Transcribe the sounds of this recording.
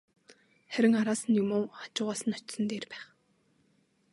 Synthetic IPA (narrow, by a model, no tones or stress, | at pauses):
χæɾʲɪ̆ŋaɾaːsə̆njʊmoːχḁt͡ɕʊːʁaːsə̆nɔt͡ɕsə̆nt̪eːrpæːχ